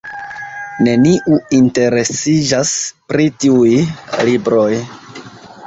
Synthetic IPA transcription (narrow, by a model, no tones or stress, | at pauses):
ne̞niʔuinte̞ɾe̞sid͡ʒaspɾitiujlibɾo̞j